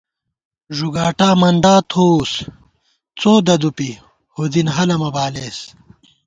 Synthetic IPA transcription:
ʐuɡaːʈaːmɐɳɖaːt̪ʰous | t͡soːd̪ɐd̪upi | hod̪inɦɐlɐmɐbaːles

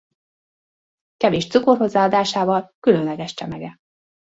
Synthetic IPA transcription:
kɛveːʃt̪sukorho̞zːaːɒd̪aːʃaːvɒlkylønlɛɡɛʃt͡ʃɛmɛɡɛ

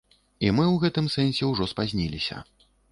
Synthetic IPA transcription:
imɨwɣɛt̪ɨmsɛnʲsʲɛwʐɔspazʲnʲilʲisʲɐ̰

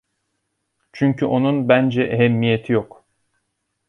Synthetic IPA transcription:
t͡ʃʰyɲcʰyʔo̞nunbænd͡ʒɛʔeɦemːijet̪ʰijok

